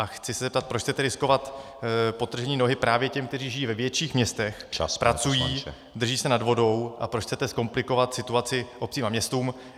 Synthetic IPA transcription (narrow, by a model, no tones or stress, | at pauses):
ʔaxt͡sɪsɛzɛpt̪at̪̚pɾot͡ʃxt͡sɛt̪ɛɾɪsko̞vat̪ | po̞t̪r̩ʒɛɲiːno̞ɦɪpɾaːvjɛcɛmkt̪ɛriːʒɪjiːvɛvjɛt͡ʃiːxmɲɛst̪ɛxspɾat͡sujiː | d̪r̩ʒiːsɛnadvo̞do̞wʔa̰pɾot͡ʃxt͡sɛt̪ɛsko̞mplɪko̞vat̪sɪt̪uat͡sɪʔo̞p̚t͡siːmamɲɛst̪uːm